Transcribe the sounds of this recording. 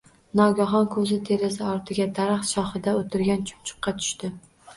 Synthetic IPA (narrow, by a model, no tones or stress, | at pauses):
nɒɡʲaɦɒnkʰɵzɪt̪ʰe̞ɾɪsɪɒɾt̪ʰɪɡʲad̪aɾaχt̪ʃɒχɪd̪aot̪ʰɪɾɡʲant͡ʃʰʊ̥pt͡ʃʰʊ̥qːɑt̪ʰʊ̥ʃt̪ɪ